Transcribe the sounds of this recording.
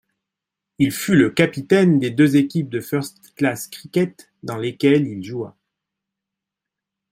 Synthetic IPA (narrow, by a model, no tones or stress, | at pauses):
ilfyləkapit̪ɛnd̪ed̪øzekʲip̚d̪əfœʁst̪klaskχikʲɛt̪ | d̪ɑ̃lekʲɛlilʒua̰